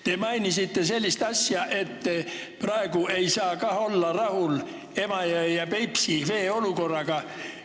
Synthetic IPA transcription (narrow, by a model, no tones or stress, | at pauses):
t̪emɑinisit̪ːeselʲːist̪ɑsʲjɑʔet̪ːe | prɑeɡue̞isɑːkɑholːɑrɑhul | emɑjɑjɑpepsiʋeːolukorːɑɡ̥ɑ